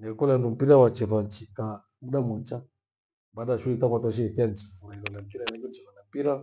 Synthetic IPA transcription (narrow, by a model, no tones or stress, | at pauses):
nɛkɔlandum̩piɾawat͡ʃɛvant͡ʃika | muɗamɔt͡ʃa | baɗaʃulitakatɔʃ̬ɛiθiant͡ʃifuɾaikɔlam̩piɾanɛkɛnt͡ʃɛvanampiɾa